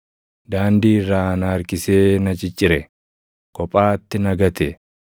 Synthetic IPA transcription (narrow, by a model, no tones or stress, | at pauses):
d̪aːnd̪iːrːaːnaːɾkɪseːnɐt͡ʃʼɪt͡ʃʼːɪɾɛ | kɔpʼaːt̪ːɪnɐɡɐt̪ɛ